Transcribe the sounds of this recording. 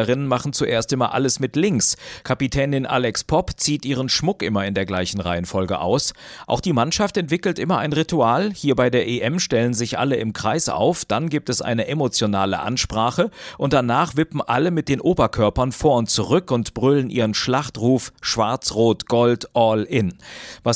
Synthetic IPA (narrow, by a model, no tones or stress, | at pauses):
əʁɪnənmaχn̩t͡suʔeːɐstʔɪmɐ̰ʔa̰ləsmɪtlɪŋkskʰapitʰɛːnɪnʔa̰ːlɛkspʰɔpt͡siːtʔiːʁ̞ənʃmʊkʔɪmɐɪndeːɐɡlaɪçn̩ʁaɪənfɔlɡə̰ʔa̰ʊsʔa̰ʊxχd̥iːmanʃaftɛntv̥ɪkl̩tʔɪmɐaɪnʁituaːlhiːɐbaɪdeːɐʔeʔɛmʃtɛlənzɪçʔa̰ləɪmkʁ̥aɪsʔa̰ʊfd̥anɡiːp̚tɛsʔa̰ɪnəʔemot͡sjonaːlə̰ʔa̰nʃpʁ̥aːχəʔʊntd̥anaːχv̥ɪpm̩ʔaləmɪt̚d̥eːnʔoːbɐkʰœɐpɐnfoːɐʊnt̚t͡suʁ̞ʏkʊntb̥ʁʏlənʔiːʁənʃlaχtʁuːfʃv̥aɐt͡sʁoːtɡ̥ɔltʔɔlʔɪnva